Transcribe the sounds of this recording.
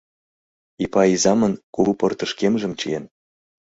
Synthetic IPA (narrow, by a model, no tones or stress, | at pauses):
ipɑizɑmə̆nkuβupɤ̆rt̪ə̆ʃkemʒə̆mt͡ɕḭjen